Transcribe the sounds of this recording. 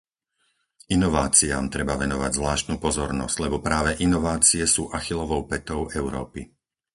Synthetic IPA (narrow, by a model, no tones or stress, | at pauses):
inɔʋaːt͡sia̰ːmt̪ɾɛbaʋɛnɔʋa̰ɟzʋlaːʃt̪nuːpɔzɔɾnɔ̰z̥ɟ̥lɛbɔpɾaːʋɛʔinɔʋaːt͡siɛsuːʔaxilɔʋɔʊpɛt̪ɔʊʔɛʊɾɔ̰ːpi